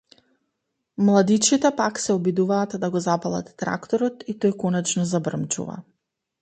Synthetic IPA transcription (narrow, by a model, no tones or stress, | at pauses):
mlˠad̪it͡ʃit̪ɛpaksɛɔbid̪uvaːt̪d̪aɡɔzapalˠa̰t̪ːɾa̰kt̪ɔɾɔt̪it̪ojkɔnɛt͡ʃnɔzabr̩mt͡ʃṵva̰